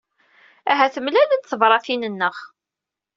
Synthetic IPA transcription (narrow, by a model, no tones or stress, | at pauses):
æɦæθəmlælənt̪θəvɾˤɑθinənːəʁ